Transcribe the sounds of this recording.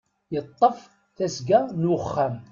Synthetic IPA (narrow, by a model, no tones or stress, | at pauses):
jət̪ˤːəf | θæsɡænχːæm